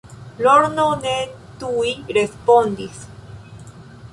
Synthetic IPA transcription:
loɾnone | t̪uiɾespond̪is

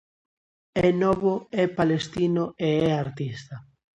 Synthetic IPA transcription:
ɛnɔβoɛpalest̪inoeɛaɾt̪ist̪ɐ

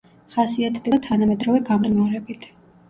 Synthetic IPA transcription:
χasiat̪ʰd̪ɛt̪ʰanamɛd̪ɾɔvɛɡamɾnɔɾɛbit̪ʰ

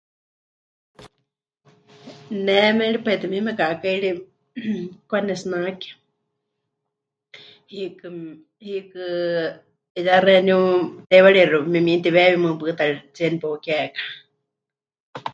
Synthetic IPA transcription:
nɛmɛɺipait̪ɛmimɛkaʔkaiɺi | kwanɛsnakɛ̥ | hikɨ | hikɨ | jarɛnut̪ɛwaɺiɺumimint̪iβɛwimɨ̃pɨt̪aɺit͡sɛnipokɛkḁ

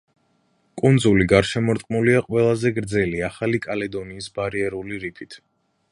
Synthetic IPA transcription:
kʼund̪zuliɡaɾʃɛmɔɾt̪ʼqʼnuliaqʼwɛlˠazɛɡɾd̪zɛliaχalikʼalɛd̪ɔniːsbaɾiɛɾuliɾipʰit̪ʰ

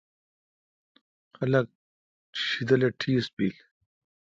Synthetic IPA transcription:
xɐlɐk̚ | ɕid̪ɐleʈʰiːsbḭːl

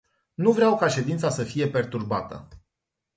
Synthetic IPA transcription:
nuvɾeawkaʃe̞d̪int̪sasəfije̞pe̞rt̪urbat̪ə̰

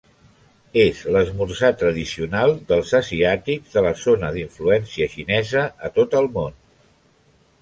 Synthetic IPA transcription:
ezləzmuɾsat̪ɾəðisiunalˠd̪əlˠzəziat̪ikðələzonəðiɱfluɛnsiəʃinɛzəət̪ot̪əlˠmon

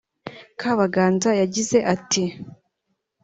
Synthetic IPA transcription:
kaβaɡaːnzajaɟize̞ʔati

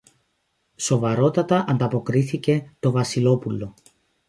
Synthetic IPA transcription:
so̞vɐɾo̞t̪ɐt̪ɐʔɐnd̪ɐpo̞kɾiθice̞t̪o̞vɐsilo̞pulːo̞

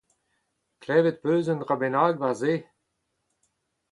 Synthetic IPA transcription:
klɛːvet̪̚pøːzənʁabenaːɡvaʁzeː

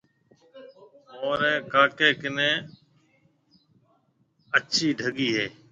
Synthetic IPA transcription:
oːɾɛ̃ːkaːkeːkɪnẽː | əʃʰiːɖʱəɠiːɦeː

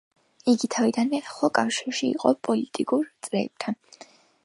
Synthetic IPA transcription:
iɡit̪ʰavid̪anmɛaχlakʼafʃiɾʃḭːqʼɔpʼɔlit̪ʼikʼuɾt̪sʼɾɛːp̚t̪ʰan

